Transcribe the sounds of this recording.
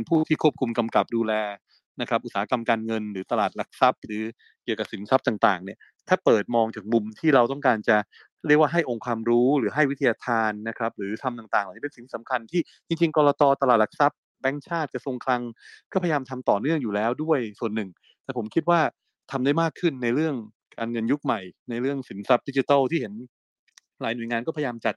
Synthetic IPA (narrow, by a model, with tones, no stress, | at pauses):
npʰuː˥˩t̪ʰiː˥˩kʰu˥˩əp̚kʰu˧mka˧mka˨˩p̚duː˧lɛː˧ | na˦˥kʰɾa˦˥pʔu˨˩saː˩˦˥ka˧mkaː˧nŋɤ˧nɾɯː˩˦t̪a˧laː˨˩t̪̚la˨˩k̚sa˦˥p̚ɾɯː˩˦ | ki˨˩əka˨˩si˨˩˦nsa˦˥p̚t̪aː˨˩ŋt̪aː˨˩ŋni˧˩ə | t̪ʰaː˥˩pɤː˨˩t̪̚mɔː˧ŋt͡ɕaː˨˩k̚mu˧mt̪ʰiː˥˩ɾa˧wt̪ɔ˥˩ŋkaː˧nt͡ɕa˨˩ | ɾi˥˩ək̚waː˥˩ɦa˥˩jʔo˧ŋkʰwaː˧mɾuː˦˥ɾɯː˩˦ɦa˥˩jwi˦˥t̪ʰa˧jaː˧t̪ʰaː˧nːa˦˥kʰɾa˦˥p̚ɾɯː˩˦t̪ʰa˧mt̪aː˨˩ŋt̪aː˨˩ŋlːni˥pe˧nsi˨˩t̪ʰiː˥˩a˩˦mkʰa˧nt̪ʰiː˥˩ | t͡ɕi˧ŋt͡ɕi˧ŋkɔː˧ɾɔː˧t̪ɔː˧t̪a˧laː˨˩t̪̚la˩k̚sa˦˥p̚ | bɛ˦˥ŋt͡ɕʰaː˥˩t̪̚t͡ɕa˨˩so˧ŋkʰla˧ŋkɔː˥˩pʰajaː˧mt̪ʰa˧mt̪ɔː˨˩nɯ˥˩əŋjuː˨˩lɛː˦˥wdu˥˩əjsu˨˩ənːɯ˨˩ŋ | t̪ɛː˨˩pʰo˩˦mkʰi˦˥t̪̚waː˥˩ | t̪ʰa˧mda˥˩jmaː˥˩kʰːɯ˥˩nːa˧jɾɯ˥˩əŋ | kaː˧nŋɤ˧nju˦˥k̚ma˨˩jna˧jɾɯ˥˩əŋsi˨˩˦nsa˦˥p̚di˦˥t͡ɕi˧t̪a˥˩wt̪ʰiː˥˩he˩˦n | laː˩˦jnu˨˩əjŋaː˧nkɔː˥˩pʰajaː˧mt͡ɕa˨˩t̪̚